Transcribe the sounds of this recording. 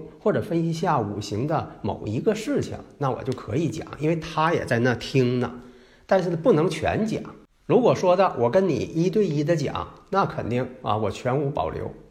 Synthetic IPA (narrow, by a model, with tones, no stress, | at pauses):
xwɔ˥˩ʈ͡ʂɤ˨˩fə˥ni˧˥ɕja˥˩u˨˩ɕi˧˥ŋd̪ə˧mo̰˨˩ʊi˧˥ɡə˧ʂɻ̩˥˩t͡ɕʰḭ˩ŋna˥˩wɔ̰˨˩t͡ɕjo˥˩ʊkʰɤ̰˧˥i˧˥t͡ɕjɑ̰˨˩˦ŋʔi˥nwe˥˩ɪt̪ʰa˥jɛ̰˨˩t͡sa˥˧ɪna˥˩t̪ʰi˥ŋnə̰˨ | t̪a˥˧nʂɻ̩˥˩pu˥˩nɤ˧˥ŋt͡ɕʰɥɛ̰˧˥nt͡ɕjɑ̰˨˩˦ŋ | ɻu˧˥kwɔ˨˩ʂwɔ˥d̪ə˨wʔɔ˨˩kə˥nnḭ˨˩i˥t̪̬we˥˩ɪi˥d̪ə˧t͡ɕjɑ̰˨˩˦ŋna˥˩kʰə˨˩nt̪i˥˩ŋɐ̰˧˩wɔ˨˩t͡ɕʰɥɛ˧˥nu˧˥pɑ̰˨˩ʊljo̰˧˥ʊ